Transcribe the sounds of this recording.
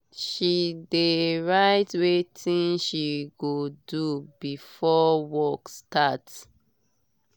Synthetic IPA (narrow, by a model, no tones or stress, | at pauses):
ʃideɹaɪtwetʰĩnʃiɡodubifɔwɔkstats